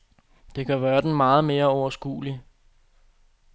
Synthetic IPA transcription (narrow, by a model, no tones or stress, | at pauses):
d̥e̝kʰæʋæːɐd̥enmɑ̈ːð̞̩ˠme̝ːɐɒʊɐsɡ̥ṵːli